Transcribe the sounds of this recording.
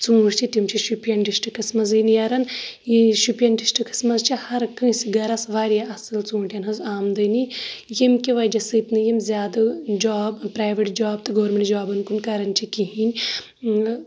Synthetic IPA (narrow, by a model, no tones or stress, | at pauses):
t͡sũːɾt͡ʃʰit̪ʲimt͡ʃʰiʃupijɐnʈisʈɨkɐsmɐzɨːnijɐɾɐnjiʃupʲjɐnʈisʈɨkʰɨ̥smɐzt͡ʃʰihɐɾkɨ̃ːsiɡɐɾɐsʋaːɾjaɐsɨlt͡sũːʈʲɐnɦɐzaːmd̪ɐːnijemkʲiʋɐjd͡ʒɐsɨːt̪nɨjimzʲjaːd̪ɨd͡ʒaːbpɾaːʋeʈd͡ʒaːbt̪ɨɡoːɾmʲeɳʈd͡ʒaːbɐnkunkɐɾɐnt͡ʃʰikiɦinʲ